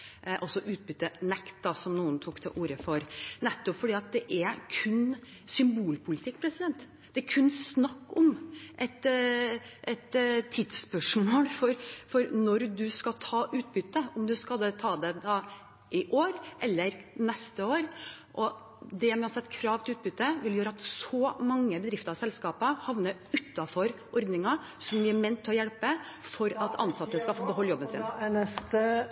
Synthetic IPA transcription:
ʔɔsɔʔʉːt̪̚bʏt̪ːənɛkt̪̚d̪ɑsɔmnuːənt̪ʰukt̪ʰɪʔuːɾəfɔɾnɛt̪ːɔpfɔɖiːɑt̪̚d̪ɛʔæɾkʰʉn | sʏmbuːlpʰʊlɪt̪ʰɪkːpʰɾɛsɪd̪ɛnt̪ | d̪̥ɛæɾkʰʉnːsnɑkːɔmʔɛt̪ | ʔɛt̪t̪ʰːɪd̪spœʂmoːlfɔɾfɔɾnɔɾd̪ʉskɑlt̪ʰɑːʔʉːt̪̚bʏt̪ːəɔmd̪ʉskɑld̪ɛt̪ʰɑːd̪ɛd̪ɑ | ʔɪʔoːɾʔɛlːəɾnɛst̪əoːɾʔɔ | d̪ɛmɑsɛt̪ːkʰɾɑːʋt̪ɪlʉːt̪̚bʏt̪ːəʋɪljøːɾəɑt̪sɔmɑŋːəbəd̪ɾɪft̪əɾɑsɛlskɑːpəhɑʋnəʉt̪ːɑfɔɾʔɔɾd̪nɪŋɑ | sɔmʋɪæmɛnt̪ʰːɪlɔjɛlpəfɔɾɑt̪ʰɑ̰nsɑt̪ːəskɑlfoːbəɦɔlːjɔbənsɪ̰nnɛst̪ə

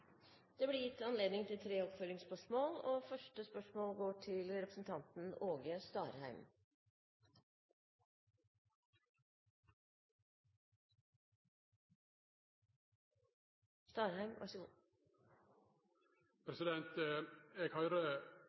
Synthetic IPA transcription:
d̪̥ɛːbliːjɪt̪ːɑnleːd̪nɪŋt̪ʰɪlt̪ʰɾeːɔpføːɾɪŋspœʂmoːlɔfœʂʈəspœʂmoːlɡoːʈʰɪlɾɛpɾəsn̩t̪ʰɑnt̪n̩oːɡəst̪ɑːɾhæɪm | st̪ɑːɾhæɪmɑ̰ | pʰɾɛsɪd̪ɛnt̪eːɡhœɪɾə

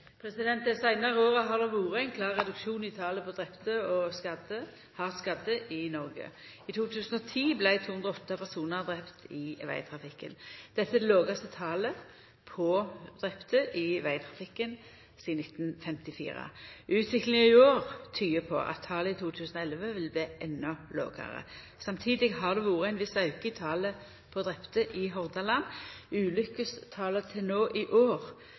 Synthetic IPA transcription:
pʰɾɛsɪd̪ɛnt̪ɛsæɪnɑʁəoːʁəɦɑd̪ɛʋuːɾəæɪnkʰlɑːʁːɛd̪ʉkʃuːnɪt̪ʰɑːləpʰɔd̪ʁɛpt̪əɔskɑd̪ə | hɑʁskɑd̪ːəʔɪnɔɾɡə̰ | ɪt̪ʰuːt̪ʰʉːsn̩ɔt̪ʰiːblæɪt̪ʰuːhʉnd̪ʁəɔt̪ːɑpʰæʁsuːnəʁd̪ʁɛpt̪ʰɪʋæ̰ɪt̪ʰʁɑfɪkːə̰nd̪̥ɛt̪ːəɛd̪ɛloːɡɑst̪ət̪ʰɑːlə | pʰɔd̪̥ʁɛpt̪əʔɪʋæɪt̪ʰʁɑfɪkːən | siːnɪt̪nfɛmt̪ɪfḭːʁə̰ʔʉːt̪ʰʋɪklɪŋəɪoːʁt̪ʰyːəpʰɔ̰ʔɑ̰t̪ʰːɑːləɪt̪ʰuːt̪ʰʉːsnɔɛlʋəʋɪlbliːʔɛnːɔlo̰ːɡə̰ʁə̰ | sɑmt̪ʰiːd̪ɪɡɦɑʁd̪ɛʋuːʁəæɪnʋɪsɑʉkəɪt̪ʰɑːlə | pʰɔd̪ʁɛpt̪əʔɪɦɔʁd̪ɑlɑnʉːlʏkːəst̪ʰɑːlət̪ʰɪlnoːʔɪʔoːʁ

